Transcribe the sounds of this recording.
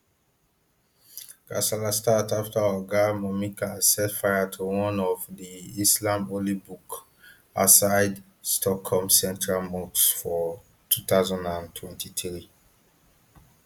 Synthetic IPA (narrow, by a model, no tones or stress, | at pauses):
ɡ̥a̰salastataftaaaɡamɔmikʰasɛtfajatʰuwɔ̃nɔvdiislãmolibuk | asaɪd | stʰɔkhɔlmsɛ̃ntɹalmɔksfɔ | tʰut̪aʊzãndãntʰwɛ̃ntʰiθɹi